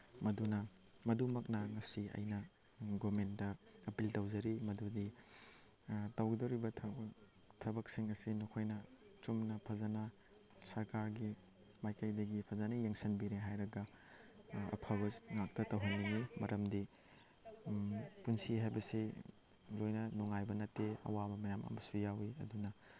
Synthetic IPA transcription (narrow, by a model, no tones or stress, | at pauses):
mɐdunɐ | mɐdumɐk̚nɐŋɐsiɐ̰jnɐ | ɡomentdɐɐpiltawzɐɾimɐdudi | tɐwɡidɐwɾibɐtʰ | tʰɐbɐk̚siŋɐsinukʰojnɐ | t͡ʃumnɐpʰɐzanɐ | sɐɾkaɾɡi | majkɐjdɐɡipʰɐzanɐjɐŋsɐnbiɾeɦajɾɐɡɐ | ɐ̰pʰabɐŋak̚tɐtɐwɦɐnːiŋimɐɾʔɐmdi | punsiɦajbɐsi | lojnɐnuŋajbɐnɐtːeɐ̰wabɐmɐjamɐ̰mɐsujawiɐ̰dunɐ